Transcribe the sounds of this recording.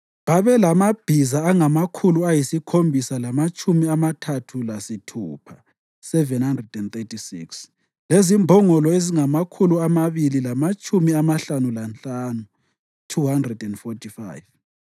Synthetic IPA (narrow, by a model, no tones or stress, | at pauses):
βaβɛlamab̥ʱizaːŋamakʰuluajisikʰombʱisalamat͡ʃʼumiamatʰatʰulasitʰṵːpʰa | sɛvɛnhandrɛdɛnt̪etʰisiks | lezimbʱɔŋɔlɔeziŋamakʰuluamaβililamat͡ʃʼumiamaɬanulant͡ɬʼaːnu | tʰuhandrɛdɛndfɔtifa̰jv